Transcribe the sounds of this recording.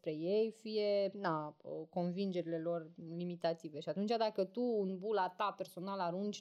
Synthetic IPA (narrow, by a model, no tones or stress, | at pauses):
pɾe̞je̞jfije̞naəko̞nvind͡ʒe̞ɾile̞lo̞rlimit̪at̪ive̞ʃiat̪unt͡ʃad̪akət̪uːnbulat̪ape̞rso̞nalaɾund͡ʒʲ